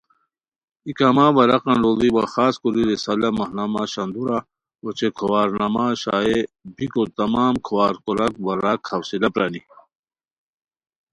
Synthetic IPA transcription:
ikamawɐɾɐqɐnɖoliwaxaːskoɾiɾesɐlamɐhnamaɕɐnd̪uɾa | wɐt͡ʃekʰɐwaːɾnɐmaɕa̰ːebikot̪ɐmaːmkʰɐwaːɾkoɾɐkwɐɾakhɐwsilapɾani

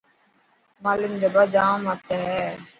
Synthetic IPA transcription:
maːlumd͡ʒəbad͡ʒãːmat̪eɦɛ

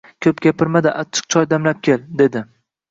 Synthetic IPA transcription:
kʲʰɵpɡʲapʰɪɾmad̪aʔat͡ʃʰːɨ̥q̚t͡ʃʰɒjd̪amlap̚kʲʰe̞ld̪e̞d̪ɪ

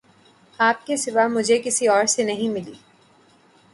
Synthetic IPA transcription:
aːp̚kesɪʋamʊd͡ʒʱekɪsiɔːɾsenɐɦĩmɪlḭː

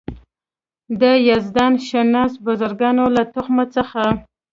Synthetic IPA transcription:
d̪əjazd̪ɑnʃanɑsbʊzaɾɡɑnolat̪ʊxmat͡səxa

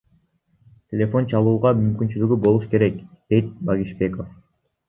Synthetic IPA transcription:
t̪ʲʰe̞lʲe̞fo̞nt͡ʃʰɑlˠuːʁɑmymkynt͡ʃylyɡybo̞lˠuʃke̞ɾe̞kd̪̥e̞jt̪̚baɡʲiʃbe̞ko̞f

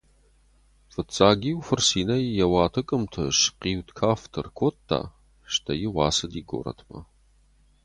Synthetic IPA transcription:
fɨt͡sʼaːɡiːwfɨrsiːnɐjjɐwɑːtʰɨkʼɨmtʰɨʃqiːwtkʰaːftʰɨrkʷʰoːtʰːa̰ː | ʃtʰɐjɪʁʷɑːsɨdiːɡo̰ɾɐ̰tʰmɐ̰

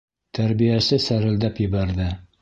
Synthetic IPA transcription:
t̪ʰæɾbijæsɘsæɾɘ̆ld̪æpjɘ̆βæɾðɘ

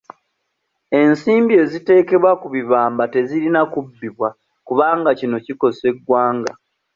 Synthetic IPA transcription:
e̞nsiːmbie̞ːzite̞ːke̞βwakuβiβaːmbate̞ziɾinakubːiβwa | kuβaːŋɡacino̞ciko̞se̞ɡwaːŋɡa

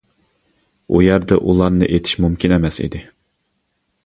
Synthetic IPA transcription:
ṵjɛɾd̪ɛʔulˠɑɾnɨʔet̪ʰi̥ʃmumkʲinɛmɛsḭd̪ɪ

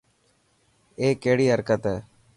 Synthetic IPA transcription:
eːkeːɽiːɐɾkət̪ɛː

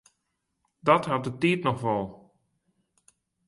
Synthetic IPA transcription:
dɔtɦat̚dətiːtnɔxʋɔlˠ

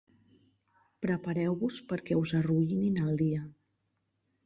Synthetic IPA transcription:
pɾəpəɾɛwβuspəɾkɛuzəruʎininəlˠd̪iə

